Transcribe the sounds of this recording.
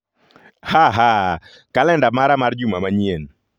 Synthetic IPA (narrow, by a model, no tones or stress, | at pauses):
haɦa | kalɛndamaɾamard͡ʒumamaɲien